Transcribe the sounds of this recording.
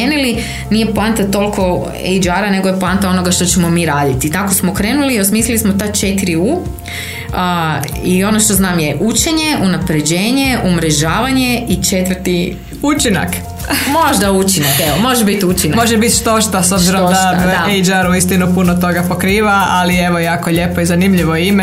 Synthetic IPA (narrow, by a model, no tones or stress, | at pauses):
enili | nijeplant̪at̪o̞lkʰo̞ | ḛjd͡ʒaɾane̞ɡo̞jeplant̪ao̞no̞ɡaʃt̪o̞t͡ɕemomiːɾaːd̪it̪it̪ako̞smokɾe̞ːnuliosmiːslilismot̪at͡ʃe̞t̪iɾiu | io̞noʃt̪o̞znaːmje̞ʔut͡ʃe̞ɲe̞ʔunapɾe̞d͡ʑe̞ːɲe̞ʔumɾe̞ʒaːʋaɲe̞it͡ʃet̪ʋər̩t̪i | ut͡ʃina̰k | mo̞ʒd̪aut͡ʃinakeʋomo̞ʒebit̪ut͡ʃinamoʒebit̪ʃt̪o̞ʃt̪asobziɾomd̪aaejd͡ʒaɾuist̪inupunot̪o̞ɡapo̞kɾiːʋaalieʋojaːkoʎe̞poizanimʎiʋoime